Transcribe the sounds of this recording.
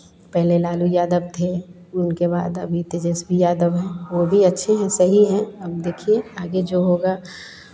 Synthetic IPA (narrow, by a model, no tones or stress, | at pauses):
pɛɦlelaːlujaːd̪əbt̪ʰe | ʊnkeba̰ːd̪ɐ̰bʱit̪ed͡ʒɛːsbʱijaːd̪əbɦɛ̃ʋobʱiɐtːʃʰeɦɛ̃sɐɦiɦɛ̃ɐb̚d̪eːkʰieaːɡed͡ʒoːɦoːɡa